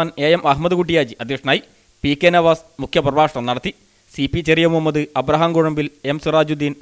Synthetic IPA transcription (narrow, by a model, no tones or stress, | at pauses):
neːemɐɦmɐðɨkuʈːijaːd͡ʑiʔɐd̪ʱjekʂɐnaːji | pikːeːnɐʋaːsmukʰjɐprɐʋaːkʂɐɳɐmnɐɽɐt̪ːi | sipit͡ɕerijɐmumːɐðɨɐbɾɐɦaːmɡoɻɐmbile̞msuraːd͡ʑud̪ːiːn